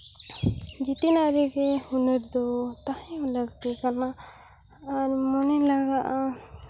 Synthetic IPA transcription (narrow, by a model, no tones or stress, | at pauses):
d͡ʒit̪inaɾekehunəɾd̪ɔt̪ahĩləɡt̪ikanaː | ɾmɔnɛlaɡaʔa